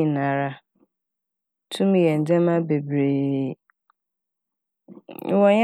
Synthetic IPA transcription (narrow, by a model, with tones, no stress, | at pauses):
ĩ˨nã˨ɾa˦ | tʰũ˦m˨jɛ˨n̩˨d͡ʑɛ̃˦mã˦be˨bɾeː˨˦ | wɔ̃˨ɲ˦